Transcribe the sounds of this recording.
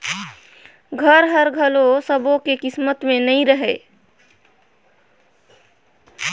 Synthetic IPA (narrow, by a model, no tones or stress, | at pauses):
ɡʱəɾɦəɾɡʱəlosəbõkekɪsmət̪menəĩɾəɦɛ